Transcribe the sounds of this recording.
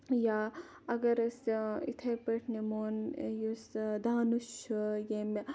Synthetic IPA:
ja | ɐɡɐɾɐsḭt̪ʰepɐʈʰnemoːnjusd̪aːnuʃujem

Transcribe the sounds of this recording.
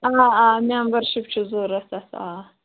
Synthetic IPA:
aaːmembɐɾʃip̚t͡ʃʰizoːɾɐsɐsa̰ː

